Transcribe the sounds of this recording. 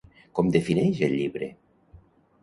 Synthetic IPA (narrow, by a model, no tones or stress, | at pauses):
kɔmd̪efinɛjʒeʎːiβɾḛ